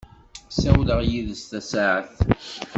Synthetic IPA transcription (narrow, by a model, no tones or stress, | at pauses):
sæwləʁjiðəst̪æsaʕəθ